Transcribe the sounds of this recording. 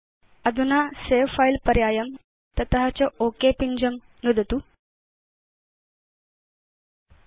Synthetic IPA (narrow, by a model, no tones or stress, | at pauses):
əd̪ʱunaseʋfailpəɾjajəm | t̪ət̪əɦat͡ɕəokepiɲd͡ʑəm | nud̪ʱət̪u